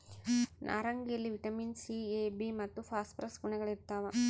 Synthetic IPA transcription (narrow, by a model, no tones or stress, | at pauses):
nʔa̰ːɾɐŋɡijɐlːiʋiʈɐmiːnsiebimɐt̪ːupʰaːsʈpɾɐsɡuɳɛɡɐɭiɾt̪aːʋɐ